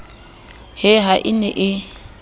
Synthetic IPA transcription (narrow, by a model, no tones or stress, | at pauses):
hɪɦaʔɪnɛʔɪ